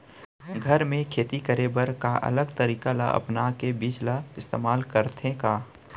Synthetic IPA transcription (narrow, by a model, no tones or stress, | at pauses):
ɡʱəɾmẽkʰeːt̪ikəɾebəɾkaʔɐ̰ləɡt̪əɾiːkala̰ʔɐ̰pnakebiːt͡ʃlaɪst̪eːmaːlkəɾt̪ʰẽkaː